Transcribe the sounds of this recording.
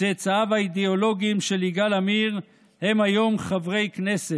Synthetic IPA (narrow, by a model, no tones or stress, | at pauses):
et͡saavaid̪eolo̞ɡimʃe̞liɡalamiʁ | he̞majo̞mχavʁe̞jkne̞se